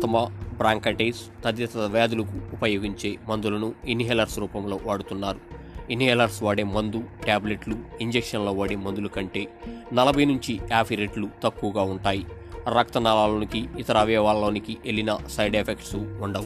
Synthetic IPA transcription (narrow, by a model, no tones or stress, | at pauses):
t̪ɐmɐbɾaːŋkɐʈeːst̪ɐd̪jɐt̪ɐɐʋaːd̪ulɐkuːpɐjoːɡiɲt͡ʃe̞ːmɐnd̪ulɐnuiniɦɛːlɐɾsɾuːpɐmlo̞ːʋaːɽut̪unːaːɾu | iniɦɛːlɐɾsʋaːɽeːmɐnd̪uʈaːble̞ʈluiɲd͡ʒekʂɐnloːʋaːɽeːmond̪ulukɐɳʈe̞ːnɐlɐbʱɐjnuɲt͡ʃiaːpʰiɾeʈlut̪ɐkːuʋɡaːuɳʈaːji | ɾɐk̚t̪ɐnalaːloːnikiːt̪ɐɾɐːʋɛːʋaːlːo̞ːnikiʔelinɐsɐjɖepʰekʈsuuɳɖɐ